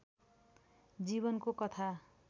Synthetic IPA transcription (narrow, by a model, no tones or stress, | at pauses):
d͡ziβʌnkokʌt̪ʰa